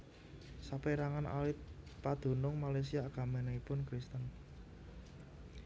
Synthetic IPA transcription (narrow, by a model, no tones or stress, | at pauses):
sapeɾaŋanʔa̰lɪt̪̚pad̪̥o̤nʊŋmalajs̬iaɡ̥a̤menaipʊnkɾist̪ən